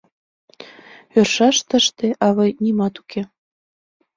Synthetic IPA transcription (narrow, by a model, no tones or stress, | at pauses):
ørʃɑʃt̪ə̆ʃt̪eʔɑβɤjnimɑt̪u̥kʰe